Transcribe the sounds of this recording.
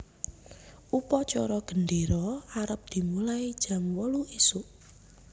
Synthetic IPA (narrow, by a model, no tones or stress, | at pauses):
upɔt͡ʃɔɾɔɡ̥ə̤nɖeɾɔaɾəp̚d̪̥i̤mulaid̥ʒ̥a̤mwɔluʔisuʔ